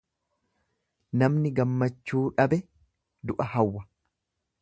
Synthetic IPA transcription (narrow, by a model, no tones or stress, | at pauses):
nɐmnɪɡɐmːɐt͡ʃːuːᶑɐbɛ | d̪ʊʔɐhɐwːɐ